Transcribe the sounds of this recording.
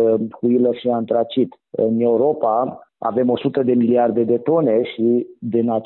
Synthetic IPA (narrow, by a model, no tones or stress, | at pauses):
kuiləʃiant̪ɾat͡ʃit̪ | ɨne̞uɾo̞paa̰ve̞mo̞sut̪əd̪e̞miliard̪e̞d̪e̞t̪o̞ne̞ʃid̪inat͡ʃ